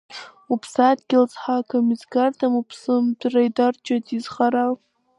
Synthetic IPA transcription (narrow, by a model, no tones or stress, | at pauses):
upʰsatɡʲɪlt͡sħakʰamizkartʰamupʰsɨmdrajdart͡ʃatizχaɾal